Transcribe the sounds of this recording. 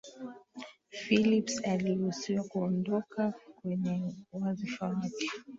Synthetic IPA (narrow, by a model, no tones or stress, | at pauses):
filipsaliusiwakuɔndɔkakwɛɲɛwazifawakɛ̥